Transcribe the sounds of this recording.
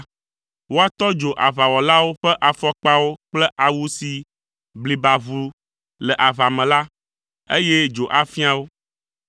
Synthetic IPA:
wo˦a˦˨t̪ɔ˦d͡ʒo˨ʔa˨va˨wɔ˨la˦wo˦ɸɛ˦ʔa˨fɔ˦k͡pa˦wo˦k͡plɛ˦ʔa˨wu˦si˨ | bli˨ba˨βu˨ | lɛ˨ʔa˨va˨mɛ̃˨la˦ | e˦jɛ˦d͡ʒo˨ʔa˨fi˦a˨wo˦

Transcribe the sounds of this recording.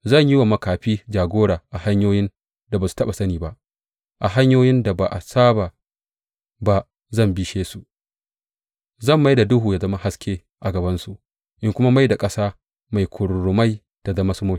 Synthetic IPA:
zɐ˦˨ɲji˦wa˨mɐ˦kaː˨ɸiː˦d͡ʒaː˨ɡʷoː˦ɽaː˨ʔa˨ha˦ɲjoː˦jɪ˦n | da˨baː˨su̥˨tɐ˦ɓa˨sɐ˦niː˨ba˦ʔ | ʔa˨ɦa˦ɲjoː˦jɪ˦nda˨ba˨ʔa˨saː˦baː˨ | ba˦ | zɐ˦˨mbi˦ʃeː˦su˨ʔ | zɐ˦˨mːa˦jda˨dʊ˦ɦuː˨jaː˦zɐ˦ma˦ha˦skʲeː˦ | ʔa˨ɡɐ˨bɐ˦nsu˨ | ʔɪ˦ŋkʷʊ˦ma˦ma˦jda˨kʼɐ˦saː˦ | ma˨jkʷʰʊ˨ɽɽʊ˨ma˦j | ta˨zɐ˦ma˦sʊ˦mʊː˦

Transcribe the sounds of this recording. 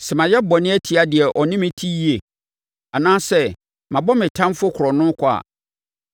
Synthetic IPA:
sɛ˨mã˨jɛ˦bɔ˨nɪ̃˦æ˦tʰi˨a˦dɪ˨ɛ˨ʔɔ˨nɪ̃˦mɪ̃˦tʰi˦i˦e˨ | a˨nãː˦sɛ˦ | mã˨bɔ˦mɪ̃˨tʰã˦mfʊ˦kʰɾɔ˨nʊ̃˦kʰʊ˦a̰˨

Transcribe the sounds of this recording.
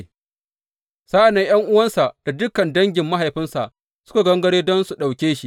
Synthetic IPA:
sa˦ʔa˨nːe˦j̰ɐ˦ŋʔʊ˦wɐ˦nsa˨ʔd̥a˨dʊ˦kːɐ˨ndɐ˦ŋɡʲɪ˨mːa˦ɦa˨jɸɪ˦nsa˨ʔ | sʊ̥˦ka˨ɡɐ˦ŋɡɐ˦ɽeː˦dɔ˦nsu˨ɗa˨wkʲeː˦ʃi˦ʔ

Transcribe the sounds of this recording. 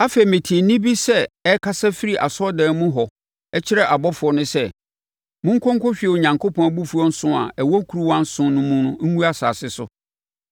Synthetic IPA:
a˦fe˨i˨mɪ̃˨tʰi˨e˨nĩ˦bi˦sɛ˦ɛ˦kʰa˦sa˦fi˦ɾi˨ʔa̰˨sɔ˦dɛ̃ː˨˦mũ˦ɦɔ˨ | ɛ˦t͡ɕʰɪ˦ɾɛ˦ʔa˨bɔ˦fʊ˨ɔ˨nʊ̃˦sɛ˦˨ | mʊ̃˦ŋ̩˦kʰɔ̃˦ŋ˦kʰɔ˦ɕᶣi˨e˨o˨ɲã˨ŋkʰo˦pʰɔ̃˦bu˦fu˨˦ɔ˦n̩˦sʊ̃˦a̰˨ɛ˨wɔ˦kʰu˨ɾu˦wã˦n̩˦sʊ̃˦nʊ̃˦mũ˦nʊ̃˦ŋũ˦a˦saː˨sɪ˦sʊ˨

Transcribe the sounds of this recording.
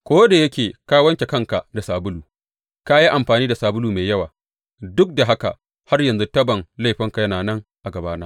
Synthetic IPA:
kʷoː˦da˨jɐ˦kʲeː˨kaː˦wɐ˦ŋkʲe˨kɐ˦ŋka˨da˨saː˨bʊ˦luː˨ | ka˦ji˦ʔa˨mɸaː˨niː˦da˨saː˨bʊ˦luː˨meː˨jɐ˦waː˨ | dʊ˦k̚da˨ɦa˦ka̰˨ʔ | ha˦rjɐ˨nzu˦tɐ˦bɐ˨ŋla˦jɸɪ˦ŋka˨jɐ˦naː˨nɐ˦ŋʔa˨ɡɐ˨baː˦naː˦

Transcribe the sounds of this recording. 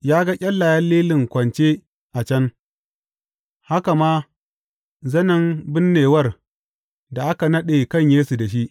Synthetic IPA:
jaː˦ɡa˦kʲʼɐ˦lːa˨jɐ˦lːiː˦lɪ˨ŋkʷɐ˨nt͡ʃe˦ | ʔa˨t͡ʃɐ˦n | ha˦ka˨maː˦ | zɐ˦nɐ˦˨nbɪ˦nːeː˨wɐ˦r | da˨ʔa˦ka˨nɐ˦ɗeː˨kɐ˦˨ɲjeː˦su˨da˨ʃ̬i˦ʔ

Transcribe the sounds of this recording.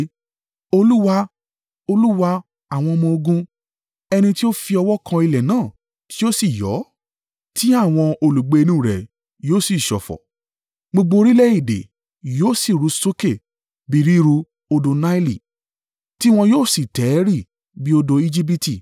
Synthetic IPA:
o˧lu˦wa˧ | o˧lu˦wa˧ | a˨w̃ɔ̃˧mɔ̃˧o˧ɡũ˧ | ɛ˧nĩ˧ti˦o˦fi˧ɔ˧wɔ˦kʰã˧i˧lɛ˨nãː˦˨ | ti̥˦o˦si˦˨jɔ̰˨˦ | ti˦a˦˨w̃ɔ̃˧o˧lu˨ɡ͡be˨˧e˧nũ˧˦˨ɾɛ̰˨ | joː˦˨si˦˨ʃɔ̰˨fɔ̰˨ | ɡ͡bo˧ɡ͡bo˧ɾi˦lɛ˦i˦˨dḛ˨ | joː˦˨si˦˨ɾu˨˧so˦ke˦˨ | bi˧˨ɾi˦˧ɾu˧ | o˧do˧na˦i˦li˨ | ti˦w̃ɔ̃˧joː˦˨si˦˨tɛ˨˦ɾi˦˨ | bi˦o˧do˧i˧d͡ʒi˦p̬i˦ti˦˨

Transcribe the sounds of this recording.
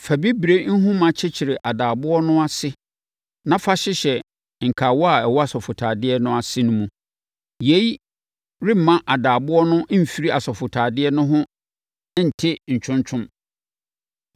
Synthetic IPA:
fæ˨bi˦bɾe˦n̩˦ɦũ˦mã˨t͡ɕʰɪ˦t͡ɕʰɪ˨ɾe˨ʔa˨daː˨bʊ˦ɔ˦nʊ̃˦a˦sɪ˦ | nã˦fa˦ɕɪ˦ɕɛ˨ | ŋ̩˨kʰa˨wɔ˦a˨ɛ˨wɔ˦a˨sɔ˨fʊ˨tʰaː˨dɪ˦ɛ˦nʊ̃˦a˨sɪ˦nʊ̃˦mũ˦ | je˨˦i˦ | ɾɪ˦m˨mã˦ʔa˨daː˨bʊ˦ɔ˦nʊ̃˦˨fi˦ɾi˦a˨sɔ˨fʊ˨tʰaː˨dɪ˦ɛ˦nʊ̃˦ɦʊ̃˦ | n̩˨tʰɪ˦ɲ̩˨t͡ɕʰʊ̃˦ɲt͡ɕʰʊ̃˦m

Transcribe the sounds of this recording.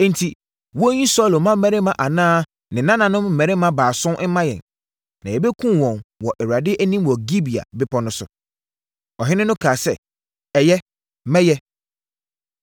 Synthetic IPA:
n̩˨tʰi˨ | wɔ˦ɲĩ˦sɔ˦˨lo˨mã˦m̩˦mɛ̃˦ɾɪ˦mã˨ʔa˨nãː˦ | nɪ̃˨nã˦nã˨nʊ̃˦mm̩˨ɛ̃˨ɾɪ˦mã˦baː˨sʊ̃˦mã˦jɛ̰˨n | nã˨jɛ˨be˦kʰũ˦˨wɔ̃˨nwɔ˨ʔɛ˨wɾa˨dɪ˦ʔæ˦nĩ˦mwɔ˨ɡi˦bi˨a̰˨bɪ˦pʰɔ˦nʊ̃˦sʊ˨ | ɔ˨ɦɪ̃˦nɪ̃˦nʊ̃˦kʰaː˨sɛ˦˨ | ɛ˨jɛ˦ | mɛ˦jɛ˦

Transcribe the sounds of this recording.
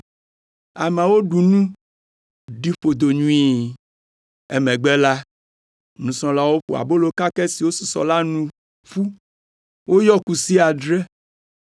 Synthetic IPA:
a˨mɛ˨wo˦ɖu˨nũ˦ | ɖi˦ɸo˨d̪o˨ɲũ˦i˦ | e˦mɛ̃˨ɡ͡bɛ˦la˦ | nũ˨sɔ̃˦la˦wo˦ɸo̰˨a̰˨bo˦lo˦ka˦kɛ˦si˨wo˦su˨sɔ̰˨la˦nũ˨ | ɸu˦ | wo˦jɔ˦ku˨si˦a˨ɖɾɛ˦

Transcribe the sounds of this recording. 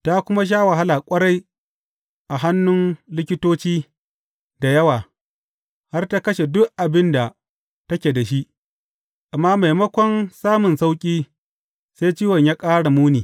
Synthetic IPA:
ta˦kʷʊ˦ma˦ʃ̬aː˦wa˨ɦa˦la˨kʷʼɐ˦ɽa˦j | ʔa˨ɦa˦nːʊ˦nlɪ˦kʲɪ˦toː˦t͡ʃiː˦ | da˨jɐ˦waː˨ | ha˦rta˦kɐ˦ʃe˨dʊ˦ʔʔa˨bɪ˦nda˨ | tɐ˦kʲeː˨da˨ʃi˦ʔ | ʔa˨mːaː˦ma˨jmɐ˦kʷɔ˦nsaː˦mʊ˨nsa˦wkʲʼiː˦ | seː˦jt͡ʃiː˦wɐ˨ɲjaː˦kʼaː˦ɽa˨muː˦niː˨

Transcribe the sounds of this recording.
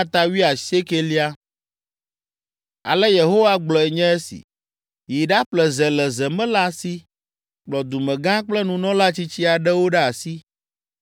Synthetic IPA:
a˦t̪a˦wi˦a˨se˦ke˦li˦a˦ | a̰˨lɛ˦je˨ɦo˦wa˦ɡ͡blɔ˨ɛ˨ɲɛ̃˦ɛ˦sḭ˨ | ji˨ɖa˦ɸlɛ˨zɛ˨lɛ˨zɛ˨mɛ̃˦la˦˨si˦ | k͡plɔ˨d̪u˨mɛ̃˨ɡã˦k͡plɛ˦nũ˨nɔ̃˦la˦t͡ɕi˦t͡ɕi˦a˨ɖɛ˦wo˦ɖɛ˦a˨si˦

